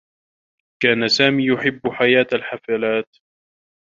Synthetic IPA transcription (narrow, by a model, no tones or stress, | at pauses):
kaːnasaːmiːjʊħɪbːʊħajaːt̪alħafalaːt̪